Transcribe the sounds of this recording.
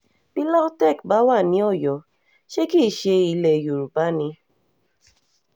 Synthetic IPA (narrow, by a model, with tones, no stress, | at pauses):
bi˦la˦tɛ˦˨kba˨˦wa˦˨nĩ˧˦ɔ˦˨jɔ˨ | ʃe˦ki˦˨ʃe˧i˧˨lɛ˨ju˨ɾu˨ba˦ni˧